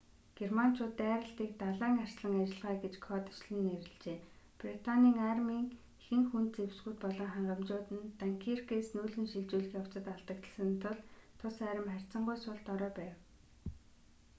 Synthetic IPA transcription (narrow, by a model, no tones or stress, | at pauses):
ɡ̥erman̥t͡ɕʰʊːt̪ːæːɾə̆ɬt̪iːk̚t̪aɮæːŋar̥ʲsɮə̆ŋat͡ɕɪ̆ɮʁaːɡet͡ɕkʰɔːt̪ə̥t͡ɕɮɘ̆nːeɾɘ̆ɮt͡ɕeː | prit̪ʰaniːŋarmiːŋ | xɘ̆ŋxunt̪̚t͡sewsɡujt̪̚pɔɮɔːχaɴɢə̆mt͡ɕʊːt̪ɘ̆nt̪aŋkʰirkesnuːɮɘ̆ŋʃiɮt͡ɕuːɮɘ̆xjaw̥t͡sə̆t̪aɮt̪ə̆kt̪ə̆sə̆nt̪ʰʊɮt̪ʰʊsæːɾə̆mχær̥ʲt͡sə̆ɴɢʊjsʊɮt̪ɔɾœːpæːw